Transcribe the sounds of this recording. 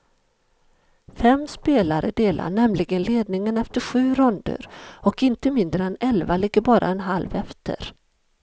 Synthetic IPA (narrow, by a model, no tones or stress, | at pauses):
fɛmːspeːlaɾəɖ̪eːla̰ɳɛmlɪɡənleːd̪nɪŋənɛft̪əɧʉ̟ːɾɵnd̪ə̰ɾɔkɪnt̪əmɪnd̪ɾəɛnɛlvalɪɡːəɾbɑːɾʔa̰ɛnɦalvɛft̪ʰə̰ɾ